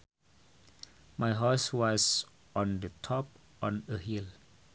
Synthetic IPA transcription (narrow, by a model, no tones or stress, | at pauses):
majɦɔswɔs | ɔ̃ndətʰɔp̚ | ɔ̃nəɦil